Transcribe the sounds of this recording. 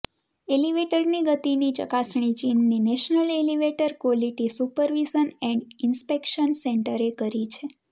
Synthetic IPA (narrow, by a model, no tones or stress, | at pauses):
eliʋeʈəɾniɡət̪init͡ʃə̰kasɳ̃it͡ʃinːinɛʃnəleliʋeʈəɾkʋɔliʈisupəɾʋizənɛ̃ɳɖɪnspekʃənseɳʈəɾekəɾit͡ʃʰe